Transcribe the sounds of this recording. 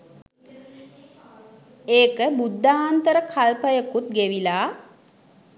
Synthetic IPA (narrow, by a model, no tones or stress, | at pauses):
eːkəbud̪ːaːnt̪əɾəkʰalpəjəkut̪̚ɡeʋilaː